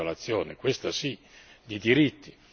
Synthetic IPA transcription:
alat̪sːjɔːnekwest̪asi | d̪id̪iɾit̪ːi̥

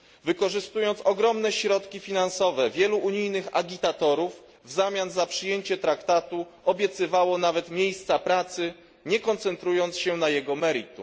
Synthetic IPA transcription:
vɘkɔʐɘst̪ujɔnt̪sɔɡɾɔmnɛɕɾɔt̪kʲifʲinansɔvɛvʲjɛluʔːɲijnɘxa̰ɡʲit̪at̪ɔɾuvː | zamʲanzapʂɘjeɲt͡ɕɛt̪ɾakt̪at̪u | ɔbʲjɛt̪sɘvawɔnavɛt̪mʲjejst̪sapɾat̪sɘ | ɲɛkɔnt̪sɛnt̪ɾujɔnt̪sɕɛnajɛɡɔmɛɾit̪ṵ

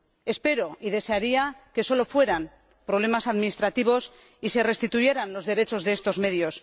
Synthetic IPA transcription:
e̞spe̞ɾo̞ið̞e̞se̞aɾiake̞so̞lofwe̞ɾam | pɾoβle̞masaðminist̪ɾat̪iβ̞o̞s | ise̞re̞st̪it̪uje̞ɾanlo̞zðe̞ɾe̞t͡ʃo̞zðe̞est̪o̞zme̞ðjo̞s

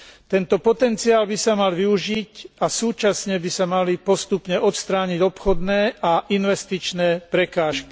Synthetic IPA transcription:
t̪ɛnt̪ɔpɔt̪ɛnt͡siaːlbisamalʋiuʒicasuːt͡ʃasɲɛbisamalipɔst̪upɲɛʔɔt̪st̪ɾaːɲiɟɔpxɔd̪nɛːʔaʔinʋɛst̪it͡ʃnɛːpɾɛkaːʃki̥

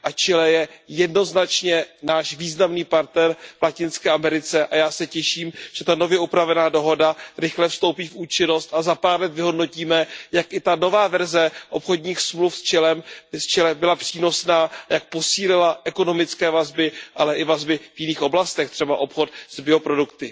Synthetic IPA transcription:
ʔat͡ʃɪlɛjɛjɛdno̞znat͡ʃɲɛnaːʃviːznamniːpaɾt̪nɛɾvlacɪnskɛːʔamɛɾɪt͡sɛʔajaːsɛcɛʃiːmʒ̥ɛt̪ano̞vjɛʔupɾavɛnaːdo̞ɦo̞daɾɪxlɛfst̪o̞wpiːfuːt͡ʃɪno̞st̪ʔazapaːɾlɛt̪vɪɦo̞dno̞ciːmɛjakʔɪt̪ano̞vaːvɛɾzɛʔo̞pxo̞dɲiːxsmlufst͡ʃɛlɛmst͡ʃɛlɛbɪlapr̥iːno̞snaːjak̚po̞siːlɪlaʔɛko̞no̞mɪt͡skɛːvazbɪʔalɛʔɪvazbɪvjɪniːxo̞blast̪ɛxt̪r̥ɛbaʔo̞pxo̞t̪z̥bɪo̞pɾo̞dukt̪ɪ

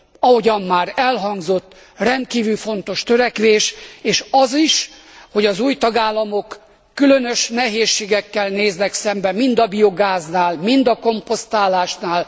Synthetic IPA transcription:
ɒho̞ɟɒmːaːɾɛlɦɒŋɡzo̞t̪ː | rɛnt̪̚kiːvylfo̞nt̪o̞ʃt̪øɾɛkʋeːʃeːʃɒziʃ | ho̞ɟɒzuːjt̪ɒɡaːlːɒmo̞kː | ylønøʃnɛɦeːʃːeːɡɛkːɛlneːznɛksɛmbɛmind̪ɒbio̞ɡaːznaːlmind̪ɒko̞mpo̞st̪aːlaːʃnaːl

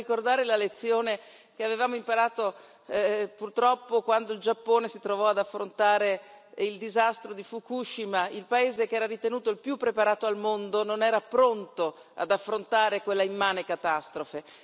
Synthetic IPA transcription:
ikord̪aːɾelalet̪sːjoːne | keavevaːmoimpaɾaːt̪o | purt̪ɾɔpːokwand̪oild͡ʒapːoːnesit̪ɾovɔad̪afːɾont̪aːɾeild̪izast̪ɾod̪ifukuʃːimailpaeːzekeɛːɾaɾit̪enuːt̪oilpjupːɾepaɾaːt̪oalmond̪ononɛːɾapɾont̪o | a̰d̪afːɾont̪aːɾekwelːaimːaːnekat̪ast̪ɾofe

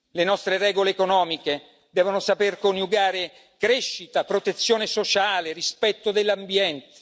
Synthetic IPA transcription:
lenɔst̪ɾerɛːɡoleːkonɔːmike | d̪ɛːvonosaperkoniuɡaːɾe | kɾeʃːit̪apɾot̪et̪sːjoːnesot͡ʃaːlerispɛt̪ːod̪elːambjɛnt̪e̥

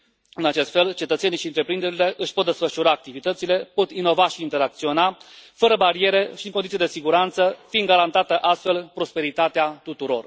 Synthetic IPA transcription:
ɨnat͡ʃe̞st̪fe̞lt͡ʃe̞t̪ət̪se̞niʃiɨnt̪ɾe̞pɾind̪e̞ɾile̞ʔɨʃpot̪d̪e̞sfəʃuɾaːk̚t̪ivit̪ət̪sile̞po̞t̪ino̞vaʃiːnt̪e̞ɾak̚t̪sio̞nafəɾəbaɾie̞ɾe̞ʃiɨŋkonit̪jed̪e̞siɡuɾant̪səfinɡaɾant̪at̪əʔast̪fe̞lpɾo̞spe̞ɾit̪at̪eat̪ut̪uɾo̞̰r

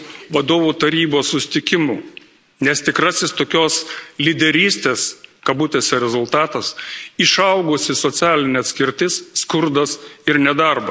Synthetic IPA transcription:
ʋɐd̪oːʋuːt̪ɐɾʲiːboːssʊsʲɪ̥t̪ʲɪkʲɪmuː | nʲɛst̪ʲɪkɾɐsʲɪst̪oːkʲoːslʲɪd̪ʲɛɾʲiːsʲt̪ʲeːskɐbʊt̪ʲeːsʲɛɾʲɛzʊlˠt̪ɑːt̪ɐsɪʃɐʊɡʊsʲɪsot̪sʲæːlʲɪnʲɛɐt̪ʲsʲkʲɪɾʲt̪ʲɪsːkʊɾd̪ɐsɪɾnʲɛd̪ɐɾbɐs

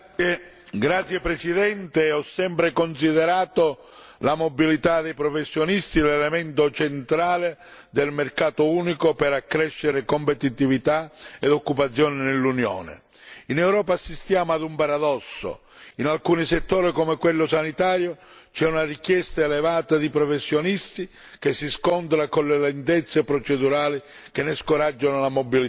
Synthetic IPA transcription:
ɡɾat̪sːjepɾɛsiðɛnt̪eɔsːɛmpɾekons̬iðɛɾaːt̪o | lamobilit̪ad̪ɛjpɾɔfesːjonist̪ilɛlɛmɛnt̪ot͡ʃent̪ɾaːled̪ɪlmerkaːt̪ouːnikopɛɾakːɾɛʃːeɾekompet̪it̪ivit̪aed̪okːupat̪sːjɔːnɪnelːunjo̰ːnɪ̰ | inɛwɾɔːpasːist̪jaːmʊad̪umpaɾad̪ɔsːo̰ | inalkuːniset̪ːoːɾikɔmekwelːʊsanit̪aːɾjo | t͡ʃɛunarikjɛst̪aelɛvaːt̪ad̪ipɾɔfesːjonist̪i | k̟esːiskɔnt̪ɾakolːelɛnt̪ɛt̪sːepɾɔt͡ʃɛd̪uɾaːli | k̟enːeskoɾad͡ʒːonolamobili

